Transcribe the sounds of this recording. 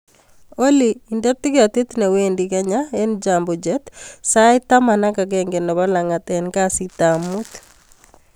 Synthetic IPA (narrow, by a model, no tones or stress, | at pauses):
oliːndɛt̪ːiɡat̪it̪newendikaɲaend͡ʒambɔd͡ʒɛt̪saɪt̪amanakaɡɛŋɡenɔbalaŋat̪ɛnkasit̪amut̪